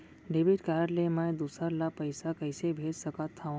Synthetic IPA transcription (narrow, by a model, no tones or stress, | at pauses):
ɖebiʈkaɾəɾlemãjd̪usəɾlapəjsakəjsebʱed͡ʒsəkat̪ʰːã